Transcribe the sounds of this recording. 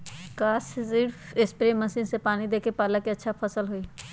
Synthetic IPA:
kaːssiɾfespɾeməsiːnsepaːnid̪eːkepaːləkeətːʃʰapʰəsəlɦoi

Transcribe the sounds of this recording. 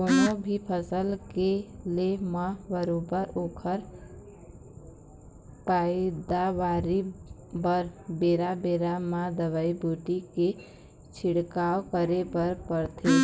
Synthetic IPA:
koːnobʱipʰəsəlkelemãbəɾoːbəɾoːkʰəɾ | paːɪd̪aʋaːɾi | bəɾbeːɾabeːɾamãd̪əʋaːibuːʈike | t͡ʃʰɪɽkaːokəɾepəɾpəɾt̪ʰe

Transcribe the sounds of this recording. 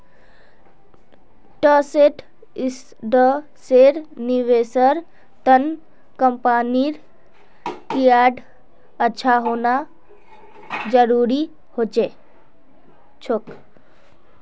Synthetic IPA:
ʈəseʈ | ɪs | ɖə | seːɾniʋeːsəɾ | t̪ən | kəmpaːniɾ | kiaːɖ | ətːʃʰaɦoːna | d͡ʒəɾuːɾi | hoːt͡ʃeː | t͡ʃʰok

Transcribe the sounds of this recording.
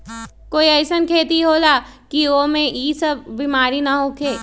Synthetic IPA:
koːiɐːsənkʰeːt̪iɦoːlaː | kioːmẽiːsɐbbimaːɾinɐɦoːkʰeː

